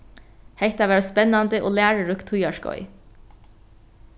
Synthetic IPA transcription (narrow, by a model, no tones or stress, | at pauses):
heɪt̪ɑʋæːɹspɛnɑnd̪əʔo̰ːlæːɹəɹʉkt̪ʰʊjɑʃkɔ̰ʏ